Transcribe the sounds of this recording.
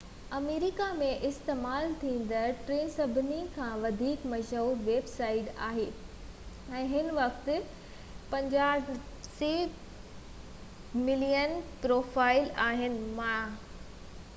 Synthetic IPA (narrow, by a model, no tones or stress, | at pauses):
ɐmeːɾɪkamẽʔɪst̪eːmaːlt̪ʰĩːn̆d̪əʈɾeːnsɐbʱɪnikʰãʋɐd̪ʱiːkmɐʃɦuːɾʋeːbsaːɪʈa̰ːɦeː | ɛ̃ːɦɪnʋɐkt̪ɪ̆ | pɐ̃ɲd͡ʑaː | siː | mɪlijənpɾoːfaːɪlaːɦɪnɪ̆mã